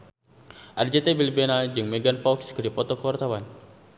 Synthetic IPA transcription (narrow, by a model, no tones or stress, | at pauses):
ʔard͡ʒɛt̪ɛbilibɛnad͡ʒɨŋmɛɡanpɔkskədipɔt̪ɔkəwart̪awan